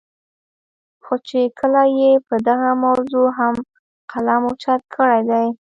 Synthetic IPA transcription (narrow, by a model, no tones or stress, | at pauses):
xot͡ʃekʰəlajepəd̪aɣamawzoɦam | qalamot͡ʃat̪̚kʰəɽajd̪aj